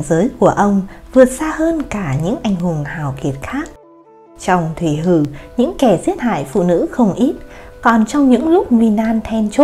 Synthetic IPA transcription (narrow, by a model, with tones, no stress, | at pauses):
zəː˨˦jku˧˩əʔə˧wŋ͡mvɨ˨˩ət̚saː˧həː˧nkaː˧˩ɲɨ̰˧˥ŋʔa˨˩jŋ̟hʊ˨˩ŋhaː˨˩wki˨˩ət̚xaː˦˥k̚ | t͡ɕɔ˧wŋ͡mt̪ʰwi˧˩ɦɨ˧˩ɲɨ̰˧˥ŋkɛ˧˩zi˧˦˥ət̚ha̰ː˧˨jfṵ˧˨nɨ̰˧˥xə˧wŋ͡mʔi˦˥t̚kɔ˨˩nt͡ɕɔ˧wŋ͡mɲɨ̰˧˥ŋlʊ˦˥k͡p̚ŋwi˧naː˧nt̪ʰɛ˧nt͡ɕo˦˥